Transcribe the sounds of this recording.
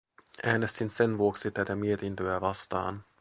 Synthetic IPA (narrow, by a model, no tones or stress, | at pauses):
ʔæːne̞st̪inse̞nʋuo̞ksit̪æt̪æmie̞t̪int̪øæʋɑst̪ɑ̰ːn